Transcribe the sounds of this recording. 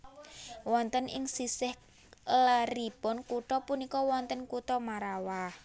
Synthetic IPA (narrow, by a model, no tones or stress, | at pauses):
wɔnt̪ənɪ̰ŋsisɪh | rib̥ɔnkuʈ̪ɔpunikɔwɔnt̪ənkut̪ɔmaɾawah